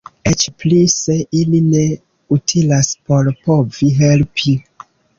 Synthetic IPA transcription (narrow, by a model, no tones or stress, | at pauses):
et͡ʃplise̞ʔiline̞ | utʰilaspo̞ɾpo̞viɦe̞lpʰi